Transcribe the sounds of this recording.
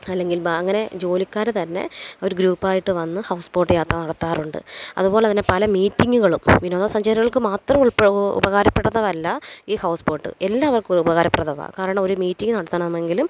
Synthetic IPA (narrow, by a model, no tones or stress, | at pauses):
ɐlːe̞ŋɡilɐŋːɐne̞d͡ʑo̞ːlikʲːaːɾt̪ɐnːe̞̰o̞ɾuɡɾuːpːaːjiʈːɨʋɐnːɨhɐwspoːʈːɨjaːt̪rɐnɐɽɐt̪ːaːruɳɖɨ̰ɐ̰ðupo̞ːleɐt̪ðinːe̞pɐlɐmiːtːiŋːuɣɐɭumʋinoːðasɐɲd͡ʑɐɾiɣɐɭkɨmaːt̪rɐmuɭpːṵbɐɣaːɾɐpːeɽːɐðɐʋɐlːɐiːhɐwspoːʈːɨ̰elːaːɐʋɐrkubɐɣaːɾɐpːeɽɐðɐʋa̰ːkaːɾɐɳɐmo̞ɾumiːtːiŋɡɨnɐɽɐt̪ːɐnɐmɐmːe̞ŋɡilum